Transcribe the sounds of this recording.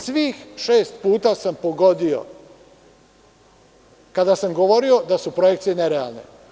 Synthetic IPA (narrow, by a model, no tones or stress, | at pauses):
sʋiːxʃe̞ːst̪puːt̪asampoɡo̞d̪io̞̰ | kad̪asamɡo̞ʋo̞ɾio̞d̪asupɾojekt̪sijeneɾea̰lˠne̞̰